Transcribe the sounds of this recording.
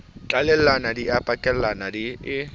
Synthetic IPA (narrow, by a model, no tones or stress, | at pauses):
t͡ɬʼalɛl̩anadiapʼakʼɛl̩anadiɪ